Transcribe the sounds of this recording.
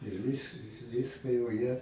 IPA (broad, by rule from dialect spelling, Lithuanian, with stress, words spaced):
ɪr ˈʋʲɪs ˈʋʲiːskɐ jɛʊ jiɛ